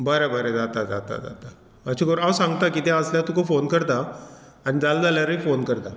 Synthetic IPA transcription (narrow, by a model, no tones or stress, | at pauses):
bəɾəbəɾed͡zat̪ad͡za̰t̪a̰d͡za̰t̪a | mat͡ɕikəɾawsãŋɡt̪akit̪jãəsljat̪ukofonkəɾt̪a | aɽid͡zald͡zaljaɾəifonkəɾt̪a